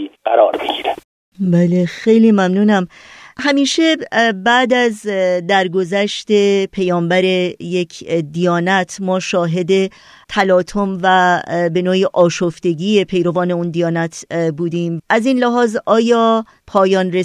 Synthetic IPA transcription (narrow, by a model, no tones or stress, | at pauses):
ɢæɾɒːɾbeɡiɾe̥ | bæːle̞xe̞jliːmæmnuːnæm | hæmiːʃe̞bæd̪æzd̪æɾɡo̞zæʃt̪e̞pʰejɒːmbæɾe̞je̞cʰd̪ijɒːnæt̪ʰmɒːʃɒːɦe̞d̪e̞ | t̪ʰælɒːt̪ʰo̞mvæbe̞noːjiʔɒːʃoft̪e̞ɡiːepʰe̞jɾo̞vɒːne̞und̪ijɒːnæt̪ʰbuːd̪iːmʔæziːnlæɦɒːzʔɒːjɒː | pʰɒːjɒːnɾe